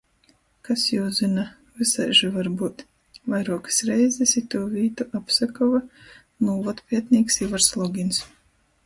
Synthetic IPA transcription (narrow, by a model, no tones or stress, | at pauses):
kasjɛwzɨna | vɨsajʒavaɾbuːt̪ | vajɾuɔkɨ̥sɾɛjzɛsit̪uːvʲiːt̪uʔapsakɔva | nuːvɔt̪pʲiɛt̪nʲiːksivaɾslˠɔɡʲins